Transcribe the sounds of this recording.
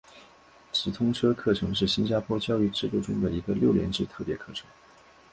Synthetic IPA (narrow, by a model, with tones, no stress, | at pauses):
ʈ͡ʂɻ̩˨˩t̪ʰʊ˥ŋʈ͡ʂʰɤ˥kʰɤ˥˩ʈ͡ʂʰɤ˧˥ŋʂ̬ɻ̩˥˩ɕi˥nt͡ɕja˥pʰwɔ˥t͡ɕjɑ˥˧ʊy˥˧ʈ͡ʂɻ̩˥˧t̪u˥˩ʈ͡ʂʊ˥ŋd̪ə˨i˧˥ɡə˧ljo˥˩ʊljɛ̰˧˥nʈ͡ʂɻ̩˥˧t̪ʰɤ˥˩pjɛ̰˧˥kʰɤ˥˩ʈ͡ʂʰɤ̥˧˥˦ŋ